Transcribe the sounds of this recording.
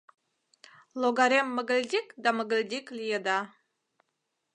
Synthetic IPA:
lˠoɡɑɾemːəɡə̆lʲdʲikd̪ɑməɡə̆lʲd̪ʲiklʲijed̪ɑ

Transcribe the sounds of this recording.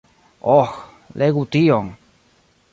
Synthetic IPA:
oh | leɣut̪ioŋ

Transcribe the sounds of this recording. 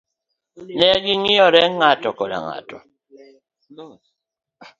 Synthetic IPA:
nɛɡiŋiɔɾɛŋatɔkɔla̰ŋa̰tɔ

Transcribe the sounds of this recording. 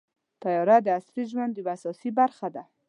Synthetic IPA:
t̪ajɔɾad̪əasɾiʒwand̪ibasɔsibaɾχad̪a

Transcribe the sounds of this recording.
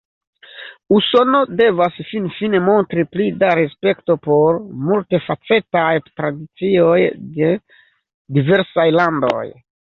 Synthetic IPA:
uso̞no̞de̞vasfinfine̞mo̞ntɾiplidaɾespe̞kto̞po̞ɾmulte̞fat͡se̞tajtɾadit͡sio̞jde̞ | dive̞ɾsajlando̞̰j

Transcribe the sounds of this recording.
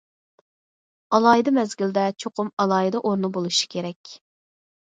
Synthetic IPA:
ɑlˠɑːjid̪ɑmɛzɡʲild̪ɛt͡ʃʰoqʰʊmɑlˠɑːjid̪ɑʔoɾnubolˠuʃi̥kʲʰeɾɛkʲ

